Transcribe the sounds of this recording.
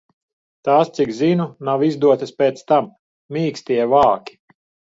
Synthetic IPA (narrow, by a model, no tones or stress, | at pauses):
t̪aːst̪sikzinunawizd̪uɔt̪aspʲeːt̪st̪amː | iːksʲt̪ʲiɛvaːkʲi̥